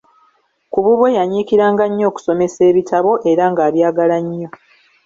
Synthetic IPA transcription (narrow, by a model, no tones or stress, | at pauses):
kuβuβwe̞jaɲiːkiɾaːŋɡaɲːo̞ːku̥so̞me̞se̞ːβitʰaβo̞ʔe̞ɾaŋɡaːβjaːɡalaɲːo̞